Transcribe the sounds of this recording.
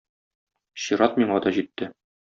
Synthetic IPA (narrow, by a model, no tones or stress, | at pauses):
ɕiɾɑt̪miɴɑd̪ɒʑit̪ːɘ